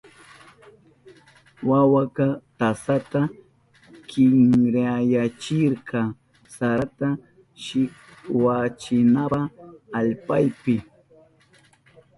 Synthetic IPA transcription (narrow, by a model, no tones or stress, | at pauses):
wawakat̪asat̪a | kɪŋɾajat͡ʃɪɾqɑ | saat̪a | ʃɪk | wat͡ʃɪnaaːʎpajpɪ